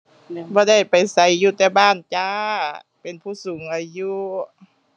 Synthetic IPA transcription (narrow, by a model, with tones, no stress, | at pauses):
bɔː˧˦da˥˩jpa˨jsa˨˦jːuː˧t̪ɛː˧baː˥˩˨nt͡ɕaː˧ | pe˨npʰuː˧˥˩suː˨˦ŋʔa˨˩juː˧